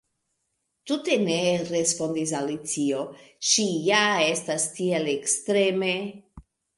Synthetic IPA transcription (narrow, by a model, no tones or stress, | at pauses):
tute̞neɾespo̞nd̪is̬alit͡sioʃijaestastielekstɾeme